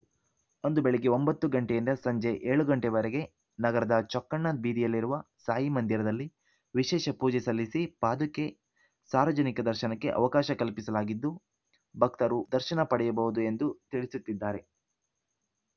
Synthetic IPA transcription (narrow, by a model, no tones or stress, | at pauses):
o̞nd̪ubeɭeɡeo̞mbɐt̪ːuɡɐɳʈejind̪ɐsɐɲd͡ʒe̞ʔeːɭuɡɐɳʈeʋɐɾeɡe̞ | nɐɡɐɾɐd̪ɐt͡ʃɔkːɐɳːad̪̚biːd̪ijɐlːiɾuʋɐsaːjimɐnd̪iɾɐd̪ɐlːi | ʋiʃɛːʃɐpuːd͡ʒɛsɐlːisipaːd̪ukːe | saːɾʋɐd͡ʒɐnikɐd̪ɐɾʃɐnɐkːe̞̰ʔɐ̰ʋɐkaːʃɐkɐlpisɐlaːɡid̪ːu | bʱɐk̚t̪ɐɾud̪ɐɾʃɐnɐpɐɽɛjɐbɐɦud̪ue̞nd̪ut̪iɭisut̪ːid̪ːaːɾe̞